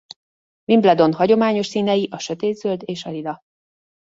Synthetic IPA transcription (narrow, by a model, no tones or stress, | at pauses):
vimblɛd̪o̞nhɒɟo̞maːɲo̞ʃsiːnɛjiʔɒʃø̞t̪eːd̪zøld̪eːʃɒlid̪ɒ